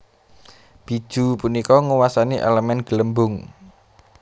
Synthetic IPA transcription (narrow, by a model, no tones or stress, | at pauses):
b̥i̤̥ʒ̥ṳpunikɔŋuwasaniʔɛ̰ləmɛnɡ̥ələmbʊŋ